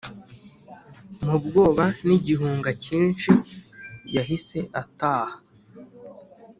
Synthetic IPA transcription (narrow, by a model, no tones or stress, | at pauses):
mubɡo̞ːβaniɟiɦuːŋɡaciːnʃi | ɟaɦise̞ʔataːha